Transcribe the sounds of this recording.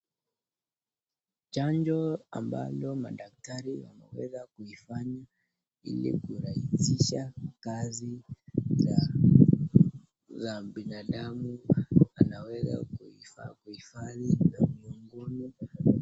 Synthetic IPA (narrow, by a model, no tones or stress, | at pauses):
t͡ʃaɲd͡ʒɔamba̰lɔmaɗak̚taɾiwa̰mɛwɛzakuifaɲa | ḭlḭkuɾahisiʃakaziza | zaɓinaɗamuanawɛza̰kuifakuhifaðizamuŋɡuni